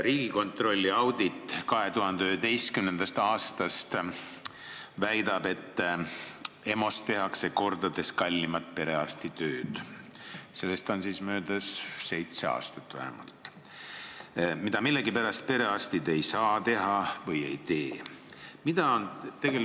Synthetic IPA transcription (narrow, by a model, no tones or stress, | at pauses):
ɾiːɡ̥iko̞nt̪ro̞lʲːiɑwd̪it̪ːˑkɑɦe̞t̪uɦɑnd̪̥eyhed̪e̞jskymnend̪̥ɑst̪ɑːst̪ɑst̪ | væjd̪ɑb̥e̞t̪ˑː | e̞mo̞st̪t̪ːe̞ɦɑkse̞ko̞rd̪ɑd̪e̞skɑlʲːimɑt̪̚ːˑpe̞ɾe̞ɑst̪it̪ø̞ːd̪̥ | se̞lːe̞st̪o̞nsiːsmøːd̪̥ɑsse̞jt̪se̞ɑ̰ːst̪ɑ̥t̪ːˑvæ̰hḛmɑ̰lt̪ːˑ | mid̪̥ɑmilːe̞ɡipæɾɑst̪̚pe̞ɾe̞ɑst̪id̪e̞jsɑːt̪e̞ɦɑvɤje̞̰jt̪e̞ːmid̪ɑont̪eɡel